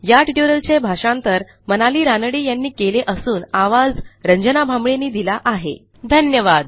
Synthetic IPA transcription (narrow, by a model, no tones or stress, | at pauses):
jaʈiʈuɾəlt͡ɕebʱaʂãnt̪əɾ | mənaliːɾanəɽiːjanːiːkeleʔəsuːnaʋad͡zɾəɲd͡ʑənabʱambɭenːiːd̪ilaʔaɦḛ | d̪ʱənjəʋad̪